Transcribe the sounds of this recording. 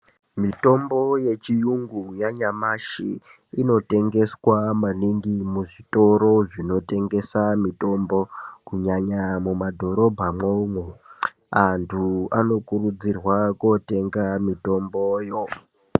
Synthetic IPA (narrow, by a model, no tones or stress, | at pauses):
mito̞mbo̞je̞t͡ʃijuŋɡujaɲamaʃḭ | ino̞te̞ŋɡe̞swamaniŋɡimuʐito̞ɾo̞ʐino̞te̞ŋɡe̞samito̞mbo̞kuɲaɲamumadʱo̞ɾo̞bʱamoumwe | antʰua̰no̞kurud͡zirwakote̞ŋɡamito̞mboːjo̞